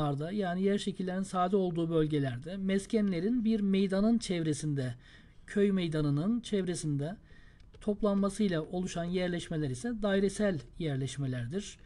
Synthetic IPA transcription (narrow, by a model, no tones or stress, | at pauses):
aɾd̪ajaːnijæɾʃecʰilʲːe̞ɾinsaːd̪ɛo̞lˠd̪uːbø̞lʲɟe̞lʲæɾd̪ɛmɛscʰænlʲe̞ɾinbiɾmejd̪anɯnt͡ʃʰɛvɾesind̪ɛ | cʰøjmejd̪anɯnɯnt͡ʃʰɛvɾe̞sind̪ɛ | t̪ʰo̞plˠanmasɯjlˠaʔo̞lˠuʃanjæɾlʲɛʃme̞lʲæɾisɛd̪ajɾesælʲjæɾlʲɛʃme̞lʲæɾd̪iɾ̥